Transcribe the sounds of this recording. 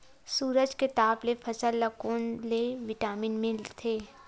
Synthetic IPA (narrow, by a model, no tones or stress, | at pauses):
suːɾəd͡ʒket̪aːblefʰɐsəlːɐkoːnleʋɪʈaːmiːnmɪlt̪ʰeː